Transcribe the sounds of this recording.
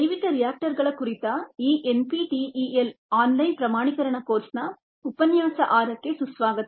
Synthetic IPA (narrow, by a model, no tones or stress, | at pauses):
ɐjʋit̪ɐɾijaːk̚ʈɐɾɡɐɭɐkuɾit̪ɐiːʔenpiʈiʔiːelaːnlɐjnpɾɐmaːɳikɐɾɐɳɐkoːɾsnɐ | upɐnjaːsɐʔaːɾɐkːesusʋaːɡɐt̪